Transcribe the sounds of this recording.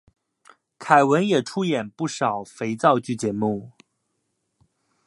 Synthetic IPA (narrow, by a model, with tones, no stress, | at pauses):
kʰa˨˩ɪwə˧˥njɛ˨˩ʈ͡ʂʰu˥jɛ˨˩npu˥˩ʂɑ˨˩ʊfe˧˥ɪt͡sɑ˥˧ʊt͡ɕy˥˩t͡ɕjɛ˧˥mu˥˩